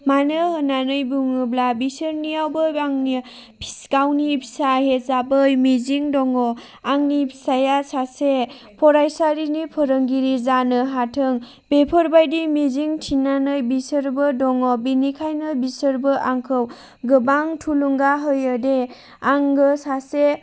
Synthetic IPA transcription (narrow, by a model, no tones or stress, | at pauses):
manɯhɯnanɯjbuŋɯblabisɯɾnijawbɯaŋni | pʰsɡawnipʰi̥saɦezabɯjmiziŋdɔŋɔ | aŋnipʰi̥sajasase | pʰɔɾajsaɾinipʰɔɾɯŋɡiɾizanɯɦatʰɯŋ | b̥epʰɔɾbajdimiziŋtʰinanɯjbisɯɾbɯdɔŋɔbinikʰajnɯbisɯɾbɯʔaŋkʰɯw | ɡɯbaŋtʰuluŋɡaɦɯjɯde | aŋɡɯsase